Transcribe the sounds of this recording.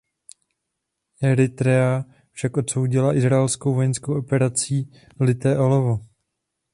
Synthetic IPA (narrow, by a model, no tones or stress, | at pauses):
ʔɛɾɪt̪ɾɛa | fʃakʔo̞t̪so̞wɟɪlaʔɪzɾaɛlskowvo̞jɛnskowʔo̞pɛɾat͡siː | lɪt̪ɛːʔolovo